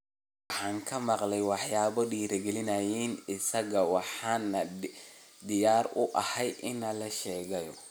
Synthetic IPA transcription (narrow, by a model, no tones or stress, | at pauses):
ħɑːŋkʰɐmɑqlɛjwɑħjaːβɐɖiːɾɐɡɛlɪnɐjiːnɪsɐɣɐwɑħɑːnɐ | d̪ɪjaːrʊʔɐ̰hɛjʔɪnɐlɐʃɛːɣɐjɔ